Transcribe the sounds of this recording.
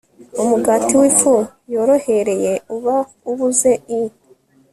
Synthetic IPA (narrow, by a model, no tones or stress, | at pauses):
umuɡaːtiwifujo̞ɾo̞he̞ɾe̞je̞uβa | uβuze̞i